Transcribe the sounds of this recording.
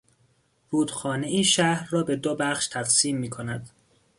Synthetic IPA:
ruːd̪xɒːneiːʃæhɾːɒːbe̞d̪obæχʃt̪ʰæɡsiːmːiːkʰo̞næd̪

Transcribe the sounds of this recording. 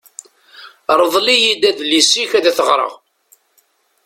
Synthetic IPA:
ɾˤəðˤlijid̪æðlisːiçæðæθəʁɾˤə̰ʁ

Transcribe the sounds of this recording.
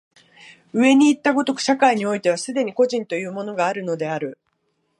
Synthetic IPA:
ɯ̟e̞ɲ̟iːt̪ːaɡo̞t̪okɯ̟̥ɕakaiɲ̟io̞it̪e̞β̞asɨd̪e̞ɲ̟iko̞ʑĩnt̪o̞jɯ̟ːmo̞no̞ɡaːɾɯ̟no̞d̪e̞aɾɯ̟

